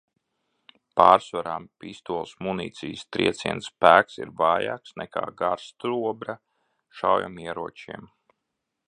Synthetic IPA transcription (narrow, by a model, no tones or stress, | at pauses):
paːɾsvaɾaːmpist̪uɔlˠsmunḭːt̪sʲijst̪ɾiɛt̪siɛ̰nspæːksḭɾvɑːja̰ːksnɛka̰ːɡaɾst̪ɾuɔbɾa | ʃawja̰miɛɾuɔt͡ʃiɛm